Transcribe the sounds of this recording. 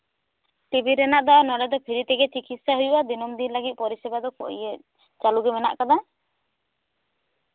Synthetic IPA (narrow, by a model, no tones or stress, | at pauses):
ʈibʱiɾɛnaʔd̪anɔɖɛd̪ɔpʰiɾit̪ɛɡɛt͡ʃikit̪saɦujubad̪inɔmd̪inlaɡit̪̚pɔɾisɛbad̪ɔkɔʔḭjɛ | t͡ʃaluɡɛmɛna̰ʔkad̪a